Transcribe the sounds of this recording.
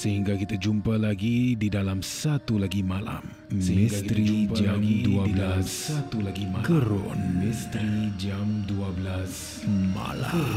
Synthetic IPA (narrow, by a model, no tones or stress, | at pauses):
səɦiŋɡakit̪ad͡ʒumpalaɡididalamsat̪ulaɡimala̰m | səhiĩɡakit̪ɾid͡ʒumpad͡ʒaɡmdduaibdlaaas | at̪ulaɡimakəɾʊ̰nmist̪ɾid͡ʒamduablas | ma̰la̰